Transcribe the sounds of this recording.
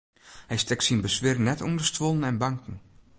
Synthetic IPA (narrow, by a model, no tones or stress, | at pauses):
hɛjstɛksinbəsʋɪːrnɛtundəstʋolˠənɛnbaŋkn̩